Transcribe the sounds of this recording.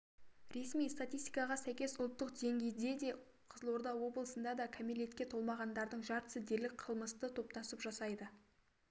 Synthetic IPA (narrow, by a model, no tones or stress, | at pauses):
ɾe̞smijst̪at̪ʲijst̪ijkɑʁɑsæjkʲe̞sʊlˠt̪ːəqd̪e̞ŋɡʲe̞jd̪e̞d̪e̞ | qʰəzlˠoɾd̪ɑwo̞blˠəsənd̪ɑd̪ɑkʲʰamile̞t̪kʲe̞t̪ʰo̞lˠmɑʁɑnd̪ɑɾd̪əɴʒɑɾt̪ə̥sɪzd̪e̞ɾlɪk̚qʰəlˠməst̪ət̪ʰo̞p̚t̪ɑsəpʒɑsɑjd̪ə